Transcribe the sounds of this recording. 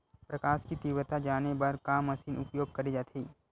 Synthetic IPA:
pɾɐkaːʃkit̪iːwət̪ad͡ʒaːnebɐɾkaːmɐsiːnʊpjoːɡ̚kɐɾid͡ʒaːt̪ʰiː

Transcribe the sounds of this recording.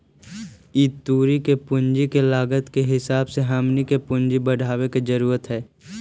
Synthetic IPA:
iːt̪uːɾikepʊ̃ɲd͡ʒikelaːɡət̪keɦɪsaːbseɦaːmnikepʊɲd͡ʒibəɽ̤ʱaːweked͡ʒəɾuːɾət̪ɦɛː

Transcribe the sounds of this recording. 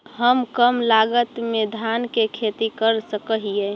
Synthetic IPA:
ɦəmkəmlaɡət̪med̪ʱjankekʰet̪ikəɾsəkəɦije

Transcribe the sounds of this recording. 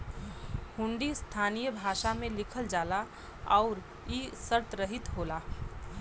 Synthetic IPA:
hʊ̃ɳɖist̪ʰaːnijəbʱaːʃamẽlɪkʰəld͡ʒaːla | ɔʊɾ | isəɾt̪ɾəɦɪt̪ɦoːlaː

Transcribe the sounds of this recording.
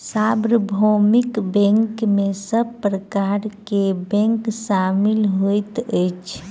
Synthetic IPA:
sabɾəbʱomikbɛ̃ŋkmesəbpɾəkaɾkebɛ̃ŋksamilɦojt̪əjt͡ʃʰ

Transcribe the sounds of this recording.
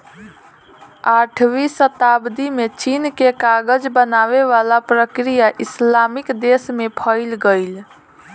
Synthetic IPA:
aʈʰʋisət̪abd̪imet͡ʃinkekaɡəd͡ʒbənaʋeʋalapɾəkɾijaʔislamikd̪esmepʰəɪlɡəɪl

